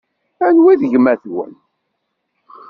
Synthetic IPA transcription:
ænwiðəʝmæθwə̰n

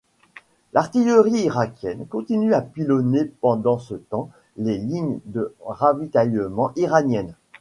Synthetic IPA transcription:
lʔaʁt̪ijəʁiːʁakʲjɛnkɔ̃t̪inyapilɔnepɑ̃d̪ɑ̃sət̪ɑ̃ | leliɲd̪əʁavit̪ajəmɑ̃ʔiʁanjɛn

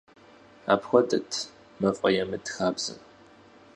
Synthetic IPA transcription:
a̰ːpxʷɔdɐtʰ | mɐfʼɐjɛmɨdxaːbz̥ɨ̰m

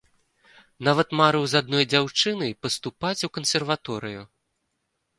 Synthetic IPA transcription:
navɐt̪maɾɨwzad̪̚nɔjd͡zʲawt͡ʂɨnɨpɐst̪upat͡sʲukɐnsʲɛrvat̪ɔɾɨju

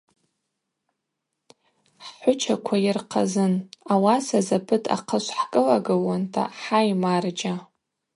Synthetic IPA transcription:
ħħʷʊt͡ʃʰakʷʰajɪrqʰazɨnawasazapʰɨtʰʼa̰qʰəʃʷħkʼɨlaɡɨwantʰa̰ħajmard͡ʒa

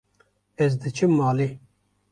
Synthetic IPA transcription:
ɛzd̪ɨt͡ʃʰɨmːaːli

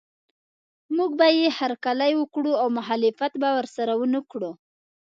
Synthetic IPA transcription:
muɡbajehaɾkalajwəkɽuawmʊɦalɪfat̪bawəɾsaɾawənəkɽu

